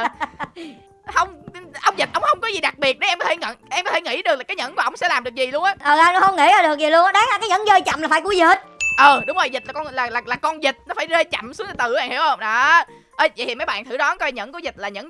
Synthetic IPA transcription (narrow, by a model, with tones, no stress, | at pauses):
hə˧wŋ͡mʔə˧wŋ͡mzi˨˩t̚ʔə˧˨wŋ͡mhə˧wŋ͡mkɔ˨˦zi˨˩ɗa˨˩k̚ɓi˨˩ət̚ɗə˨˦ʔɛ˧mkɔ˨˦t̪ʰe˧˩ŋə̰˧˨nʔɛ˧mkɔ˨˦t̪ʰe˧˩ŋḭ˧˩˥ɗɨ˨˩k̚laː˨˩aː˨˦jɲə̰˧˥nku˧˩ʔə˧wŋ͡msɛ̰˧˥laː˨˩mɗɨ˨˩əkzi˨˩lu˧ənʔaː˨˦ʔəː˨˩ʔaː˧jnɔ˨˦hə˧wŋ͡mŋḭ˧˥aː˧ɗɨ˨˩ək̚zi˨˩lu˧ənʔɗaː˨˦ŋla˨˩kaː˨˦jɲə̰˧˥nzəː˧jt͡ɕa̰˧˨mla˨˩fa˧˦ku˧˩˦zi˨˩t̚ʔəː˨˩ɗʊ˨˦ŋ͡mzo˨˩jzi˨˩t̚laː˨˩kɔ˧nlaː˨˩laː˨˩laː˨˩kɔ˧nzï˨˩t̚nɔ˨˦faː˧˩jze˧t͡ɕa̰˧˨msu˨˦ət̪ːt̪ɨ˨˧˩a̰ː˧˨nhḭ˧˩əwhə˧wŋ͡mɗaː˨˩ | ʔə˧˩jvj̪ʰi˨˩mə˨˦jɓa̰ː˧˨nt̪ʰɨ˧˩ɗɔ˨˦nkɔ˧˩ɲə̰˧˥nkɔ˨˦zi˨˩t̚laː˨˩ɲə̰˧˥n